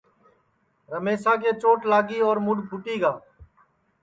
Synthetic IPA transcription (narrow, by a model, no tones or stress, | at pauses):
ɾəmeːsaːk̬eːt͡ʃoːʈlaːɡiːɔːɾmʊɖpʊʈiːɡaː